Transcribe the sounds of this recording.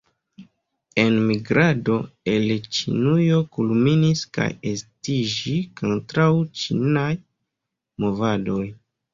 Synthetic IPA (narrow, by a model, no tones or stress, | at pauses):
e̞nmiɡɾado̞e̞lt͡ʃḭnujo̞kulminiska̰je̞stid͡ʒikʰo̞ntɾawt͡ʃinaj | mo̞vado̞j